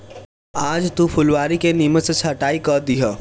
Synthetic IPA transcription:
aːd͡ʒt̪upʰʊlʋaːɾikeniməsət͡ʃʰɐʈaːikəd̪iɦə

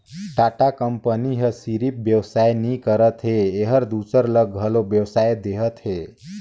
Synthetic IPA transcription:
ʈaʈakəmpəniɦəsiɾip̚bjəwsajnikəɾət̪ɦeːɦəɾd̪usəɾləɡʱəlobjəwsajd̪eɦət̪ɦe

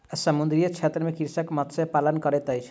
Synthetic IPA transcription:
esəmund̪ɾijət͡ʃʰet̪ɾəmekiɾsakmɔt̪sepalənkɔɾet̪ɔjt͡ʃʰ

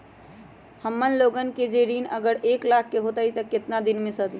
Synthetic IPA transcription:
həmːənloɡənked͡ʒeɾinəɡəɾeklakʰːeɦot̪ait̪əkɪt̪nad̪inmẽsəd̪i

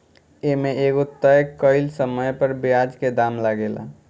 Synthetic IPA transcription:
emeʔeɡot̪ːəjkːəɪlsəməjpəɾbiad͡ʒked̪amlaɡela̰

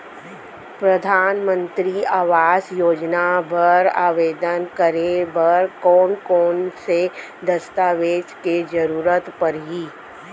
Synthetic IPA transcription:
pɾɐd̪ʱaːnmə̃nt̪ɾiaːʋaːsjoːd͡ʒnabɐɾa̰ːʋeːd̪ənkəɾebɐɾkɔːnkɔːnse | d̪ɐst̪aːʋeːd͡ʒked͡ʒɐɾuːɾət̪pɐɾɦiː

